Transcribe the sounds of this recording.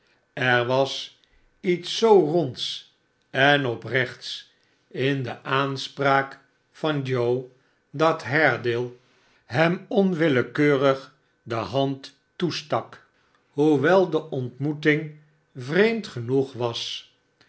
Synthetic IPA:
ɛɹʋɑs | itsːowrɔnts | ɛnɔprɛχts | ɪndəʔaːnspraːk | fɑnd͡ʒow | dɑtɦɛɹdɪlˠ | ɦɛmɔnʋɪləkøːrəχ | dəɦɑntː | ustɑk | ɦuʋɛlˠdəʔɔntmutɪŋ | vrejmtχənuχʋɑs

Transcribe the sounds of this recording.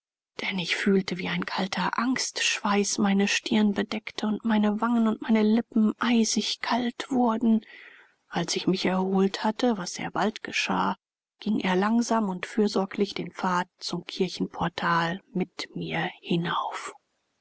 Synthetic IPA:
d̥ɛnɪçfyːltəviːaɪnkʰaltʰɐʔaŋstʃv̥aɪsmaɪnəʃtʰɪɐnbədɛktəʊntmaɪnəvaŋənʊntmaɪnəlɪpm̩ʔaɪzɪçkʰaltv̥ʊɐdn̩ | ʔalsɪçmɪçɛɐhoːlthatəvasz̥ḛːɐbaltɡ̥əʃa̰ː | ɡ̥ɪŋʔeːɐlaŋzaːmʊntfyːɐzɔɐklɪçd̥eːnfaːt̚t͡sʊmkʰɪɐçn̩pʰɔɐtʰaːlmɪtmiːɐhɪnaʊf

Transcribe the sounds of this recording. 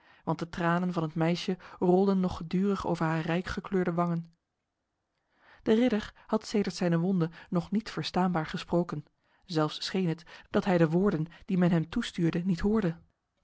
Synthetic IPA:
ʋɑnt̚dətraːnənvɑnətmɛjʃərɔlˠdənːɔχədyːrəχo̰wvəɹɦaːrɛjkχəkløːɹdəʋɑŋən | d̥ərɪdəɹhɑtseːjdəɹtsɛjnəʋɔndənɔχnitfəɹstaːnbaːɹχəsprowkən | zɛlˠfsːχejnɦətd̥ɑtɦɛjdəʋʊːɹdənd̥imɛnɦɛmtustyːɹdənitɦʊːɹdə

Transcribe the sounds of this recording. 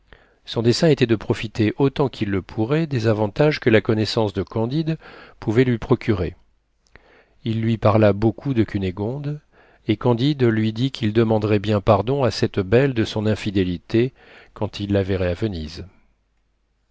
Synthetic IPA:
sɔ̃d̪esɛ̃et̪ɛd̪əpχɔfit̪eʔot̪ɑ̃kʲʰilːəpʰuʁɛd̪ezavɑ̃t̪aʒkəlakɔnɛsɑ̃sd̪əkɑ̃d̪id̪puvɛlɥipχɔkʲyʁe | ilːɥipaʁlabokʰud̪əkʲyneɡɔ̃d̪ | ekɑ̃d̪id̪lɥid̪ikʰʲild̪əmɑ̃d̪ʁɛbjɛ̃paʁd̪ɔ̃asɛt̪bɛld̪əsɔ̃nɛ̃fid̪elit̪e | kɑ̃t̪ilːaveʁɛavəniz

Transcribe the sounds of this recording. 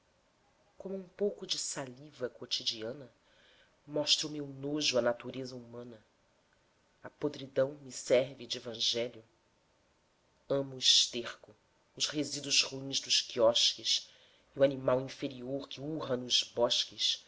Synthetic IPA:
kõmʊũpowkʊd͡ʒɪsalivɐkot͡ʃid͡ʒiɐ̃nɐ | mɔʃt̪ɾɐʊmewnoʒʊɐnat̪uɾezɐumɐ̃nɐ | ɐpod̪ɾid̪ɐ̃w̃mɪsɛɾvɪd͡ʒɪevɐ̃ʒɛljʊ | ɐ̃mʊiʃt̪eχkʊ | ʊzhezid̪ʊzhuĩzd̪ʊʃkiɔʃkɪs | iuanimawĩfeɾioɾkɪuɦɐnʊzbɔʃkɪs

